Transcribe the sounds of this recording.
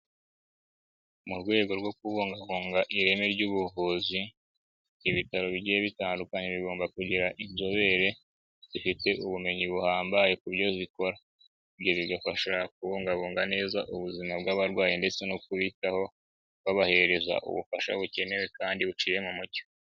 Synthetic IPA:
muɾɡwe̞ːɡo̞ɾɡwo̞kuβuːŋɡaβuːŋɡaʔiɾe̞meɾɟuβuvuːzi | iβitaɾo̞βiɟijeβitaːndukaɲeβiɡo̞ːmbakuɟiɾaʔinzo̞βe̞ɾe̞ | ββifite̞ʔuβume̞ɲiβuhaːmbaje̞kuβɟo̞ziko̞ɾa | bɟo̞βiɡafaʃak̚uβuːŋɡaβuːŋɡane̞ːzaʔuβuzimabɡaβaɾɡwaːjinde̞t͡se̞nokuβitaho̞ | waβahe̞eɾe̞za̰ʔṵβufaʃa̰βuce̞ne̞we̞kaːndiβut͡ʃiːɾemomuɟo̥

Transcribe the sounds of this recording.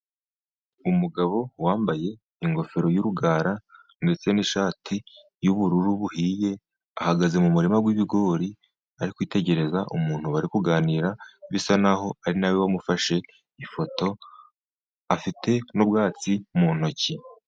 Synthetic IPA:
umuɡaβo̞waːmbaje̞ | iŋɡo̞fe̞ɾo̞juɾuɡaːɾa | nde̞t͡se̞niʃaːtʰi | juβuɾuɾuβuhiːje̞ | ahaɡaze̞mumuɾimaɡwiβiɡo̞ːɾi | aɾikwiːte̞ɟe̞ɾe̞zaʔumuːn̥huβaɾikuɡaːniːɾaβisanaho̞aɾinawewamufaʃe̞ | ifo̞to̞ | afite̞nubɡaːt͡simuːn̥o̞ci

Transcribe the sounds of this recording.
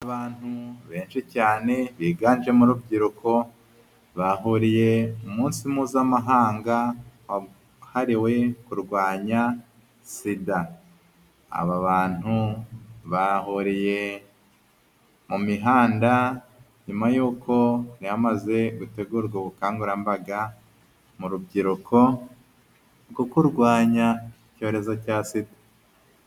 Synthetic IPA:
aβaːn̥huβe̞ːnʃicaːne̞βiːɡaːnd͡ʒe̞muɾub̚ɟiɾukʰo̞ | βaɦuɾije̞umuːnsimuːzamaɦaːŋɡawa | haɾiwe̞kuɾɡwaːɲa | sida | a̰βaβaːn̥hu | βahoɾije̞ | mumiɦaːnda | ɲumajuːkʰo̞niamaze̞ɡute̞ɡuɾɡwoβukaːŋɡuɾambaɡa | muɾubɟiɾukʰo̞ | ɾɡokuɾɡwaːɲaico̞ːɾe̞zo̞casidḁ

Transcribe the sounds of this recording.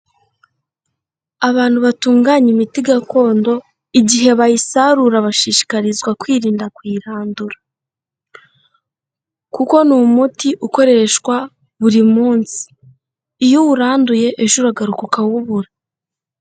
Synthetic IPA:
aβaːn̥huβatuːŋɡaɲimitiɡako̞ːndo̞ | iɟiɦe̞βajisaɾuɾaβaʃiːʃi̥kaɾizɡwakwiːɾiːndakwiːɾaːnduɾa | kuko̞numutiʔuko̞ɾe̞ʃwa | βuɾimuːnsi̥ː | juwuɾaːnduje̞ʔeʒuɾaɡaɾukukawuβuɾa

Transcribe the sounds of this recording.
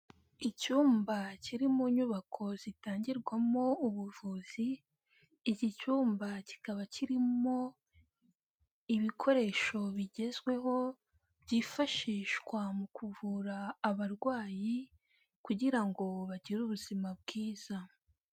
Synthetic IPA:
icuːmbaciɾimuɲuβakʰo̞zitaːɲɟiɾɡwamo̞uβuvuːz̥iː | cicuːmbaci̥kaβaciɾimo̞ | iβikʰo̞ɾe̞ʃo̞βiɟe̞zɡwe̞ɦo̞ | bɟiːfaʃiːʃɡwamukʰuvuɾaːβaɾɡwaːji | kuɟiɾaŋɡo̞βaɟiɾuβuzimab̚ɡiːz̥a

